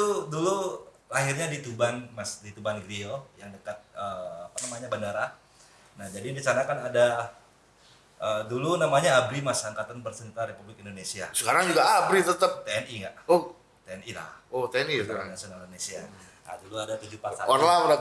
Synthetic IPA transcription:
udulu | laɦirɲadit̪ubanmasdit̪ubanɡɾiojaŋdəkat̪̚əːapanamaɲabandaɾa | nahd͡ʒadidit͡ʃanakanada | ədulunamaɲaːbɾimasaaŋkat̪anpərsənit̪aɾepublɪkindonesiasəkaɾaŋd͡ʒuɡaabɾit̪ət̪əp̚t̪eɛniŋɡaʔo | t̪eɛnila̰hot̪eɛniaɾanasonadonesia̰ | na̰duluadat̪ud͡ʒupasa̰ɔnlabɾa

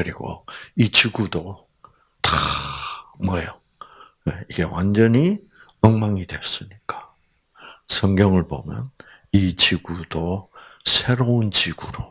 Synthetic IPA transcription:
kɯɾiɡo̰it͡ɕiɡudo | ta | mwʌjo | neiɡe̞wand͡ʑʌɲi | ʌŋmaŋidwe̞̰s͈ɯɲik͈ḁ | sʰʌŋɡjʌŋɯɭbo̰mjʌ̰n | it͡ɕiɡudosʰe̞ɾount͡ɕiɡ̥uɾo

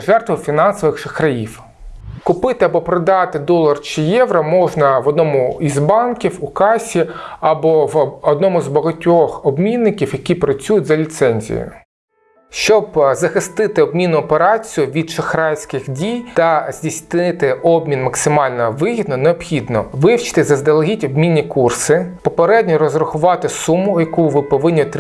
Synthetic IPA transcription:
ʒɛrt̪ʋɪfʲinɑnsɔʋɪxʃɪxɾɐjiw | kʊpɪt̪ɪɐbɔpɾɔd̪ɑt̪ɪd̪ɔlˠɐrt͡ʃɪjɛʋɾɐmɔʒnɐʋɔd̪nɔmʊizbɑnkʲiwʊkɑsʲiɐbɔʋɔd̪nɔmʊzbɐɦɐtʲːɔxɔbmʲinːɪkʲiwjɐkʲipɾɐt͡sʲujʊtʲzɐlʲit̪sɛnʲzʲḭjʊ̰ | ʃt͡ʃɔbzɐxɪst̪ɪt̪ɪɔbmʲinːʊɔpeɾɑt͡sʲijʊʋʲid̪t͡ʃɔxɾɑjsʲkɪxdʲijt̪ɐz̥ʲdʲisʲt̪nɪt̪ɪɔbmʲinmɐksɪmɑlʲnɔʋɪɦʲid̪nɔneɔpxʲid̪nɔʋɪwt͡ʃɪ̥t̪ɪzɐzd̪elˠɐɦʲitʲɔbmʲinʲːikursɪpɔpeɾɛdʲnʲiɾɔzɾɐxʊʋɑt̪ɪsumʊjɐkuʋɪpɔʋɪnʲːit̪

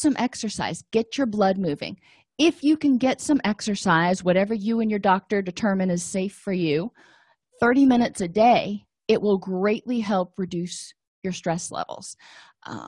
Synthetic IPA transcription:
sʌ̃mʔɛksə˞sa̰ɪzɡ̥ɛt͡ʃə˞blʌd̚mʉvɪ̰̃ŋ | ɪfjɨkɨ̃nɡɛtsʌ̃mɛksə˞saɪzwʌɾɛvə˞jɨɨ̃njə˞dɔk̚tə˞dɨtʰɜ̃˞mɨ̃nɨz̥seɪfə˞jʉ | θɜ˞ɾimɪ̃ñɨtsɨdeɪ | ɪʔ̚wʔɪlˠɡɹeɪʔliɦɛlˠp̚ʰɹɨdʉs | jə˞stɹ̥ɛslɛ̰vl̩ˠz̥̰

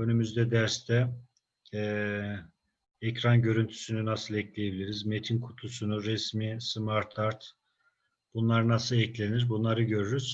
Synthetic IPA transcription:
ø̞nymyzd̪ɛd̪æɾst̪ʰɛː | ɛcɾanɟø̞ɾynt̪ʰy̥synynasɯlˠɛclʲejebilʲiɾizme̞t̪ʰinkʰu̥t̪ʰusunuɾɛsmismaɾt̪ʰaɾt̪ | b̥unlˠaɾɯnasɯlˠɛclʲe̞niɾbunlˠaɾɯɟø̞ɾyɾyz̥

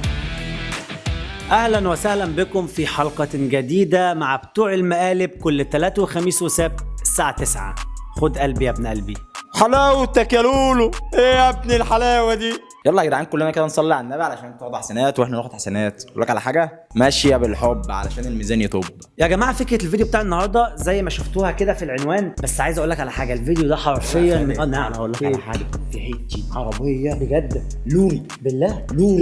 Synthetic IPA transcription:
ʔæhlænwesæhlænbɪkomfiħɑlqɑɡæd̪iːd̪æmaʕbt̪uːʕelmæʔæːleb̚kolːt̪ælæːt̪æwexæmiːswesæb̚t̪saːʕat̪esʕa̰xod̪ʔælbiʔæbnʔælbiħalæːwet̪ːækæluːluʔeːʔæb̚nilħalæːwæd̪iː | jɑlˤːæɡd̪aʕeːnkolːænæked̪ænsˤɑlːiʕanːæːbeʕalæʃæːnt̪oʕd̪uħasænæːt̪weħnænoxod̪ħḁsænæːt̪ʔʔṵlːækʕalæħaːɡæmæʃjæbelħobːʕa̰læ̰ʃæːnelmiːzæːnjet̪ˤob | jæɡæmaːʕafekɾelvid̪jobet̪aʕenːohɑɾˤd̪ˤɑzæjːmæʃoft̪uːhæked̪æfilʕenwæːnbæsːʕaːjezʔæʔulːækʕalæħaːɡælved̪ejod̪æħɑɾˤfejːɑmenʔænːaʕlæʔuːlːækaħa̰ːɡæfiħeːt̪ːiʕɑɾˤɑbejːɑbeɡæd̪ː | luːɾi | belːæːluːɾi

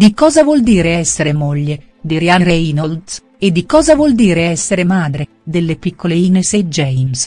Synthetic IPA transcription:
d̪ikɔːzavwɔld̪iːɾeɛsːeɾemoʎːe | d̪iɾjaɾeinold̪s | ed̪ːikɔːzavwɔld̪iːɾeɛsːeɾemaːd̪ɾe | d̪elːepikʰːoleinesed͡ʒɛjms

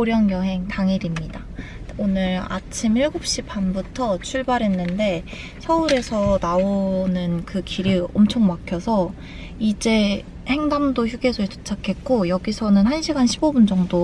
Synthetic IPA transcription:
oɾjʌŋjʌɦe̞ŋtaŋiɾimɲida | onɯɾa̰t͡ɕʰimiɭɡup̚ɕ͈ipʰanbutʰʌt͡ɕʰuɭbaɾɦe̞nːɯnde̞ | sʰʌuɾe̞sʰʌnaonɯnkɯkiɾiʌmt͡ɕʰoŋmakʰjʌsʰʌ | id͡ʑe̞ | he̞ŋdamdoçjuɡe̞sʰʌeto̥t͡ɕʰakʰe̞k̚k͈ojʌɡisʰʌnɯnhanɕʰiɡanɕʰibobund͡ʑʌŋdo

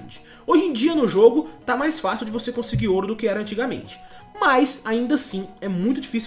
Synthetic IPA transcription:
t͡ʃɪ̥ | oʒẽd͡ʒiɐnʊʒoɡʊt̪amajsfasiwd͡ʒɪvosekõsɪɡiɾoɾʊd̪ʊkɪɛɾɐ̃nt͡ʃiɡɐmḛ̃nt͡ʃɪ̥ | mɐjsaĩnd̪ɐsĩɛmũj̃t̪ʊd͡ʒifis

